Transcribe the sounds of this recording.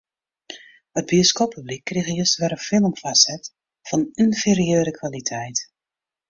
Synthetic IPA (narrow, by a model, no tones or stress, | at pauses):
həd̚bioskopːyblikːriɣəjøstʋɛɾəfɪlˠmfasɛt | fɑnynferiøːɾəkʰʋalitʰɛjt